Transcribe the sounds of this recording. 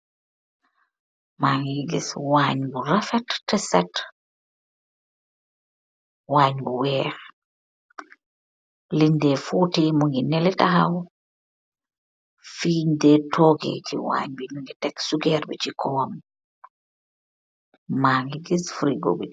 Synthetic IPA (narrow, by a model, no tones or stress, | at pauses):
maŋɡiɡiswaːɲbuɾafɛtːɛsɛt | waːɲbuwɛːɾ | lindɛfuːtɛmuŋɡinɛlɛtaɦaw | fiːndɛtʰɔɡɛ̰t͡ʃḭwa̰ːɲbiɲuŋɡɛtɛksuɡɛɾbɛ̰t͡ʃikʰɔm | maːŋɡiɡisfɾiɡo̰bɛ